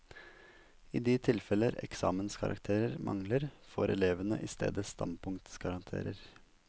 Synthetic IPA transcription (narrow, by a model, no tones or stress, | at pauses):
iːd̪iːt̪ʰɪlfɛləɾɛ̰ksɑ̰ːmənskʰɑɾʔɑ̰kt̪ʰeːɾəɾmʔɑ̰ŋləɾfoːɾɛleːʋənəʔɪst̪ḛːd̪əst̪ɑ̰npʰʊŋt̪sɡ̥ɑɾɑnt̪ʰḛːɾəɾ